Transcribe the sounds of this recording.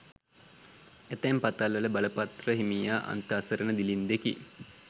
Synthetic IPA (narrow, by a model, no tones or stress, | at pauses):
et̪ɛmpat̪alʋələbaləpat̪rəɦimijaːʔa̰nt̪əːsəɾənəd̪ilind̪ekḭ